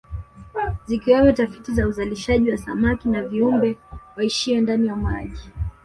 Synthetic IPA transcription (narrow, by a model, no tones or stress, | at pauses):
zikiwɛwɛtafitizauzaliʃaʄiwasa̰makinaviumbɛwaiʃiwɛndanijama̰ʄi